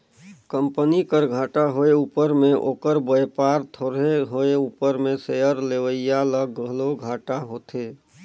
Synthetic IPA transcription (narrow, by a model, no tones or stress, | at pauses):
kə̃mpənikəɾɡʱaːʈaɦoeuːpəɾmẽʔoːkəɾbəepaːɾt̪ʰoːɾeɦoeuːpəɾmẽseəɾleʋəjjaləɡəloɡʱaːʈaɦoːt̪ʰeː